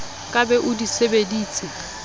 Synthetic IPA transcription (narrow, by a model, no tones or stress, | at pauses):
kʼabɛʔʊdisebediːt͡sʼɪ